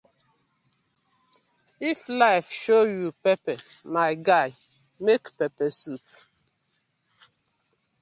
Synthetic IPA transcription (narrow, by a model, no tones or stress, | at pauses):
iflaɪfʃojupɛpɛmaɪɡaj | mekpɛpɛsup̚